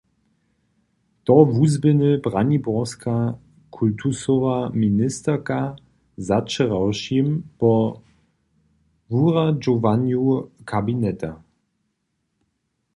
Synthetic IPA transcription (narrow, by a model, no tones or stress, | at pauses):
tɔvuzbɪnəbʁanibɔʁskʰa | kʰultʰusɔvaminɪstəʁka | zat͡ʃəʁawʃimpɔ | vuʁad͡ʒovanjukʰabinɛta